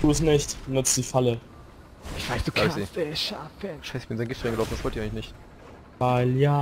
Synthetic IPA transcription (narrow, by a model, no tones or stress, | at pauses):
tʰuːəsnɪçtnʊt͡sd̥iːfalə | ɪçv̥aɪsd̥uaitɛʃafəʃaɪsɪçb̥ɪnzaɪnɡɪftʁaɪŋɡlaʊndasvɔltiɐɪŋlɪçnɪçt | vaɪljaː